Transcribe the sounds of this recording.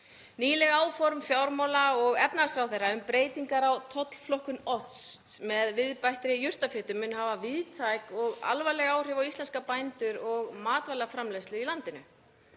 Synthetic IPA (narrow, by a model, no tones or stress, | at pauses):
niːlɛɣaːwfɔɾmfjaːwɾmɔwlaɔɣɛpnasɾawθejrːaʏmpɾeːjt̪iŋkaɾawt̪ʰɔt̪l̥flɔhkʏnɔθst̪mɛðvɪðpajht̪ɾɪjʏr̥t̪afɪːt̪ʏmʏnhaːvaviðt̪ʰajkɔɣa̰lvajlɛɣaːwr̥ɛvawislɛnskapajnt̪ʏɾɔɣmaːt̪vajlafɾamleslʏɾilant̪ɪnʏ